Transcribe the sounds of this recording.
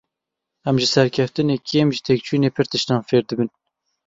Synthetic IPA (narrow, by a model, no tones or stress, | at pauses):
ɛmʒɨsɛɾkʰɛft̪ɨnekʰemʒɨt̪ʰek̚t͡ʃʰujneːpʰɨɾt̪ʰɨʃnɑːnfeːɾd̪ɨbɨn